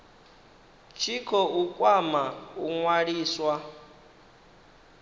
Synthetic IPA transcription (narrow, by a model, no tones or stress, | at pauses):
t͡ʃʰikʰɔʔukʼwamauŋwaɺiːswa